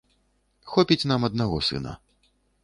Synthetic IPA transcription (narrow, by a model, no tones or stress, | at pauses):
xɔpʲit͡sʲn̪amɐd̪naɣɔsɨ̰nɐ̰